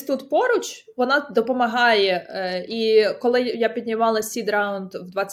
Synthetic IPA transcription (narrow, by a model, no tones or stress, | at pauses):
t̪ut̪pɔɾʊt͡ʃʲ | ʋɔnɑd̪ɔpɔmɐɦɑjɛikɔlˠɪjapʲid̪̚ʲnʲiʋɑlˠɐsʲid̪ɾɑʊnd̪ʋd̪ʋɑt͡sʲ